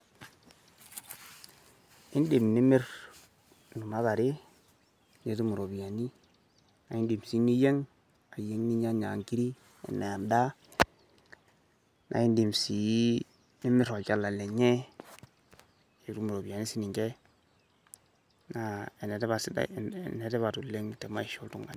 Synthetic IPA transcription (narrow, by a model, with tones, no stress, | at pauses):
ɪ˦n˦di˨mni˦mɪ˦ɾ | nu˨ma˦ba˨ɾi˦ | ɲe˨tu˦mu˨ɾo˨bi˨ja˨ni˦ | na˨i˦n˦di˨msi˨˦ni˦je˦ŋ | a˨je˨˦ŋni˦ɲa˦ɲa˨ŋki˦ɾi˦ | ɛ̰˨nːe˨a˨nda˦ | nʔa̰˨i˦ndi˨msi˨˦ | ni˦mɪ˦ɾɔ˨t͡ʃa˦lːa˨lɛ˨ɲɛ˦ | je˨tu˦mu˨ɾo˨bi˨ja˨ni˦si˦ni˨ŋkɛ˦ | na˨ɛ˨nɛ˨tba˨snɛ˨tɛ˦βa˨tu˨le˦ŋtɛ˨ma˦i˨ʃu˦ltṵ˦ŋɡa̰˨